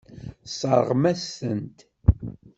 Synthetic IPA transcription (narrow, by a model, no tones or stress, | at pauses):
sˤə̰ɾˤʁmæsːənt̪